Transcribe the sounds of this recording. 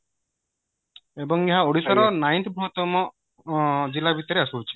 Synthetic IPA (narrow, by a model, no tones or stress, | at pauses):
ebɔŋeɦaoɽisɔɾɔnajnt̪bʱuɦt̪ɔmɔ | d͡ʒilabʱit̪ɔɾeasuwt͡ʃʰi̥